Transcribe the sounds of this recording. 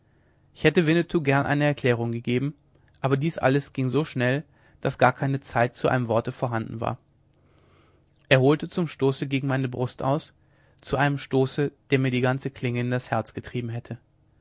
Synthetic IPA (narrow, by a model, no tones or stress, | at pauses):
ʔɪçhɛtəvɪnətʰuːɡɛɐnʔa̰ɪnəɛɐkʰl̥ɛːʁ̞ʊŋɡəɡeːbm̩ | ʔaːbɐdiːsʔa̰ləsɡ̥ɪŋzoːʃnɛl | d̥asɡ̥aːɐkʰaɪnət͡saɪt̚t͡suʔa̰ɪnəmvɔɐtəfoːɐɦandn̩va̰ːɐ | ʔeːɐhoːltət͡sʊmʃtoːsəɡeːɡŋ̩maɪnəbʁʊstʔa̰ʊs | t͡suʔaɪnəmʃtoːsəd̥eːɐmiːɐdiːɡant͡səkʰl̥ɪŋəɪndashɛɐt͡sɡ̥ətʁ̥iːbm̩ɦɛtʰə